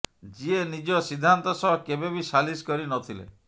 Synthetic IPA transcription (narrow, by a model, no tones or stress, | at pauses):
d͡ʒienid͡ʒɔsid̪ʱːant̪ɔsɔɦɔkebebisaliskɔɾinɔt̪ʰilḛ